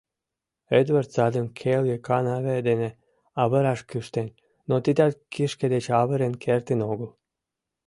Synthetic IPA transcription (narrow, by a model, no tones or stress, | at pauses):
et̪βərt̪zɑd̪ɨmkʰeljekʰɑnɑβed̪ene | ɑβəɾɑʃkɨʃt̪enʲ | not̪id̪alkʰiʃked̪et͡ɕɑβəɾenkʰert̪inoɣəl